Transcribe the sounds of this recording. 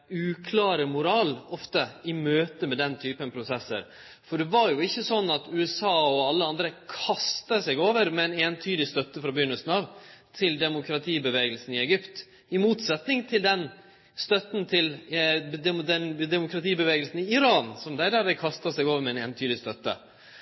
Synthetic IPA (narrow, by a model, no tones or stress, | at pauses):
ʉːkʰlɑːɾəmʊɾɑːlɔft̪əɪmøːt̪əmɛd̪ɛnt̪ʰyːpənpʰɾʊsɛsːə̰ɾ | fɔɖɛʋɑɾjʊɪçːəsɔnːɑt̪ʉɛsɑːɔɑlːəɑnd̪ɾəkʰɑst̪əsɛɡoːʋəɾmɛɛneːnt̪ʰyːd̪ɪst̪œt̪ːəfɾɑbʏnəsn̩ɑʋt̪ʰɪld̪ɛmʊkʰɾɑt̪ʰiːbəʋeːɡəlsn̩ɪɛɡʏpt̪ | ɪmuːt̪sɛt̪nɪŋt̪ʰɪld̪ɛn | st̪œt̪n̩t̪ʰɪld̪ɛd̪ɛnd̪ɛmʊkɾɑt̪iːbəʋeːɡəlsn̩ɪɪɾɑːnsɔmd̪ɛæd̪æɾdɛkʰɑst̪ɑsɛɡoːʋəɾmɛɛneːnt̪ʰyːd̪ɪst̪œt̪ːə̰